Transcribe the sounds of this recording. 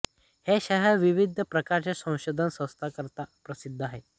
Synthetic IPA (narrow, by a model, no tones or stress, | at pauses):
heɕaɦeɾʋiʋid̪ʱpɾəkaɾt͡ɕesə̃w̃ɕod̪ʱansə̃w̃st̪ʰakəɾt̪apɾəsid̪ʱːaɦe